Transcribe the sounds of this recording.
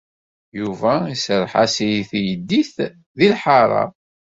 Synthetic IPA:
juvæisɾˤħasijiθjəd̪ːiθ | ðilħaɾˤɑ̰

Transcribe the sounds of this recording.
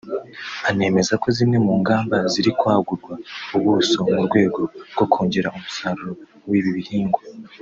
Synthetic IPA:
ane̞ːme̞zako̞zine̞muːŋɡaːmbaziɾikwaːɡuɾɡwauβuuso̞muɾɡwe̞ːɡo̞ɾɡ̥o̞kʰoːɲɟeɾaʔumusaɾuɾo̞ | wiːβiβihiːŋɡwa

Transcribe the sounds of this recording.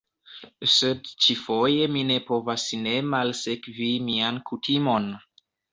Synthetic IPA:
sedt͡ʃifo̞je̞mine̞po̞vasne̞malse̞kvimiankutimo̞n

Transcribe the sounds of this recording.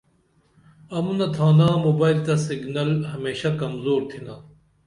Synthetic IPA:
ɐmunɐt̪ʰaːnãːmoːbaːilt̪ɐsiɡnɐlɦɐmeːɕɐkɐmzoːɾt̪ʰinaː

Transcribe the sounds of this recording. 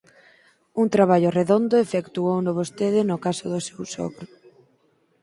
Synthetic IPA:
uŋt̪ɾaβ̞aʎʊreðond̪ʊefekt̪uownoβost̪eðɪnʊkasʊðʊsewsɔ̰kɾʊ

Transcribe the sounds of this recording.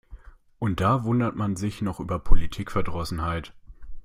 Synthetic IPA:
ʔʊnt̚d̥aːvʊndɐtmanzɪçnɔχʔyːbɐpʰolitʰiːkfɛɐdʁɔsn̩haɪt

